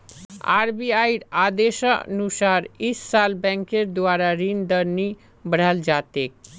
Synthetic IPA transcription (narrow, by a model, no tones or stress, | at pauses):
a̰ːɾbiaiɾaːd̪eʃənusaːɾisːalbɛ̃ŋkeɾd̪waːɾaɾind̪əɾni | bəɽ̤əld͡ʒaːt̪ek